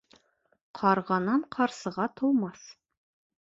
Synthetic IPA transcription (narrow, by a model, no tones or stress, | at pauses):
qʰɑɾʁɑnɑɴqʰɑɾsɤ̆ʁɑt̪ŏlˠmɑs